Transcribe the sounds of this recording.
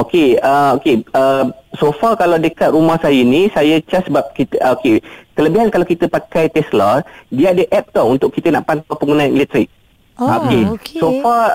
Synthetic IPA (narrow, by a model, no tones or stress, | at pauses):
okeəokeəsofakalawdəkat̪̚rumahsajənĩsajət͡ʃasəbap̚kit̪əokek̪ələbiɦankalawkit̪əpakajt̪ɛsladiəadəʔɛp̚t̪ɔɦunt̪ʊkːit̪əna̰ʔpant̪apəŋunãnḭlɛt̪ɾɪk̚ | okesofa